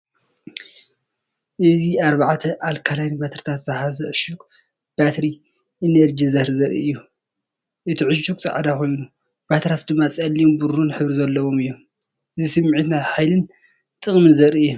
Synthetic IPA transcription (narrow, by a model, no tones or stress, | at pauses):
ʔɨziaɾβaʕt̪ʰɐʔalkʰalajnbat̪ʰɾit̪ʰat̪z̥ahazɐʕɨʃukʼ | b̥at̪ɾi | ʔineɾd͡ʒizɐhɾzɐɾḭʔɨjːu | ʔɨt̪ʰiʕɨʃukʼt͡sʼa̰ʕd̪akʰo̞jnu | b̥at̪ʰɾat̪̚d̪ɨmːat͡sʼɐlːiumbuɾunħɨβɾizɐlːɐβwo̞mɨjːom | ʔɨzisɨmːʕit̪nat̪ħajlɨn | t̪ʼɨχʼmɨnzɐɾiɨjːu